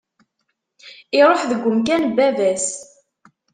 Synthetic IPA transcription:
iɾˤoħðəɡʷːəmk̬ænbːævæs

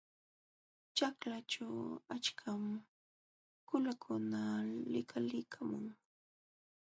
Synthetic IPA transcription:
t͡ʃaklat͡ʃawat͡ʃkʰam | kʊlakʰʊnalɪkʰalɪkʰamʊŋ

